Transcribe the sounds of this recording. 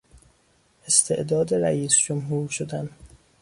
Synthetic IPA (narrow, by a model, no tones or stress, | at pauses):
ʔest̪ʰe̞ʔd̪ɒːd̪e̞ɾæʔiːsd͡ʒomɦuːɾʃod̪æn